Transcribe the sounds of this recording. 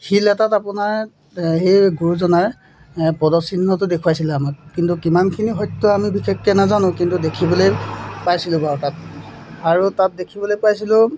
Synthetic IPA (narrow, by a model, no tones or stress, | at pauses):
xilɛtatapʊnaɹ | hejɡuɹuzɔnaɹ | pɔdɔsinːɔtʊdekʰuajsilamɔt̚kintukimankʰiniɦɔjtːʊamibixʰekːɛnazanʊ̃kintudekʰibɔlojpajsilʊ̃baɹtat̚ | aɹutat̚dekʰibɔlojpajsilʊ̃